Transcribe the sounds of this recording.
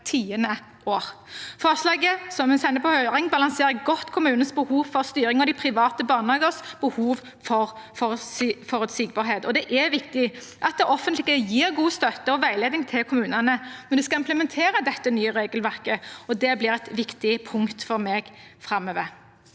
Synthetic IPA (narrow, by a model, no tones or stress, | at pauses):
t̪ʰiːənə | ʔoːʁfɑʁslɑːɡəsɔmɛsɛnd̪əpʰɔhœʏʁɪŋbɑlɑŋseːɾəɡɔt̪ːkʰʊmʉːnnsbəhuːʋfɔʁst̪yːɾɪŋɔd̪ɪpʰɾɪʋɑːt̪əbɑːʁnɑːɡəʁsb̥əhuːʋ | fɔʁ | fɔfɔʁʉt̪siːɡ̚bɑːʁɾɦeːt̪ɔd̪ɛʔɛʋɪkt̪ɪʔɑt̪̚d̪ɛʔɔfənt̪lɪɡəjiːɾɡuːst̪œt̪ːəɔʋæɪleːd̪ɪŋt̪ʰɪlkʰʊmʉːnɑnəmɛnd̪ɛskɑɪmpləmɛnt̪ʰeːɾəd̪ɛt̪ːənyːəʁeːɡəlʋæʁkəɔd̪ɛblɪːɾɛt̪ʋɪkt̪ɪpʰʊŋkt̪fɔʁmeːɡ | fɾɑmøːʋəɾ